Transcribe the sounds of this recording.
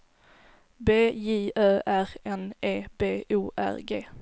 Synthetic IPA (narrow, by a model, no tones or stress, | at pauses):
beːjiːøːʔæɾɛneːbeːʔuːʔæ̰ɾɡḛː